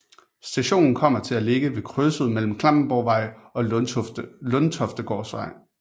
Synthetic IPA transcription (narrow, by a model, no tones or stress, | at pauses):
sd̥æɕo̝̰ːnn̩kʰɒ̽m̰ɐt͡sʰe̝læle̝ɡ̥əʋe̝kʰʁøsəð̞̰ˠmel̰m̩kʰlɑ̈m̰b̥̩b̥ɒʊ̰ʋɑ̈ɪ̰ɒ̽ | lɔnt͡sʰɒ̽fd̥əɡ̥ɒ̰ːsʋɑ̈ɪ̰